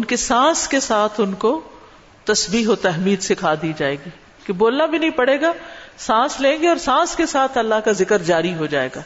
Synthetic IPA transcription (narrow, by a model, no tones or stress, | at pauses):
ʊnkesãːskesaːt̪ʰʊnko | t̪ɐsbiːɦot̪ɛɦmiːd̪sɪkʰad̪iːd͡ʒaːeːɡiː | keboːlnabʱinɐɦĩpɐɽeːɡaːsãːslẽːɡeɔːɾsãːskesaːt̪ʰɐlːaɦkazɪkəɾd͡ʒaːɾiɦod͡ʒaːḛːɡaː